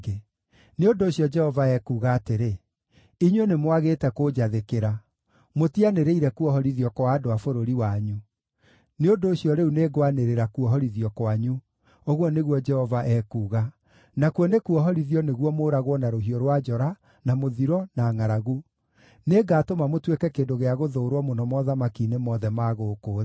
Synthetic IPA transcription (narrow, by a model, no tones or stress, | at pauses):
ɡe | neondoːɕiɔd͡ʒɛhɔvaɛkuːɣaːteɾe | iɲwenemwaɣetɛkoːd͡ʑaðekeɾa | motianeɾeiɾɛkuɔɦɔɾiðiɔkwaːdoafoɾoɾiwaɲu | neondoːɕjɔɾeuneɡwaneɾeɾakuɔɦɔɾiðiɔkwaɲu | oɣwɔneɣwɔd͡ʒɛhɔvaʔɛkuːɣa | nakwɔnekuɔɦɔɾiðiɔneɣwɔmoːɾaɣwɔnaɾoɦiɔɾwad͡ʒɔɾa | namoðiɾɔnaŋaɾaɣu | neːɡaːtomamotwekɛkeːndoɣeaɣoðoːɾwɔmonɔmɔðamakinemɔːðɛmaɣoːkoː